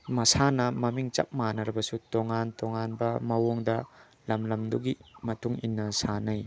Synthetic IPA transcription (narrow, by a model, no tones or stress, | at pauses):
mɐsanɐmɐmiŋt͡ʃɐ̰p̚manɐɾɐbɐsutoŋantoŋanbɐmɐwoŋdɐ | lɐmlɐmduɡimɐtʰuŋinːɐsanaj